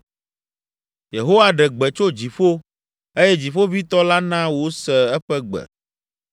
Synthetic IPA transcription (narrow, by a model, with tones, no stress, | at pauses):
je˨ɦo˦wa˦ɖɛ˨ɡ͡bɛ˨t͡ʃo˦d͡ʑi˨fo˦ | e˦jɛ˦d͡ʑi˨fo˦vi˦t̪ɔ˦la˦nã˦wo˦sɛ˨ɛ˦ɸɛ˦ɡ͡bɛ̰˨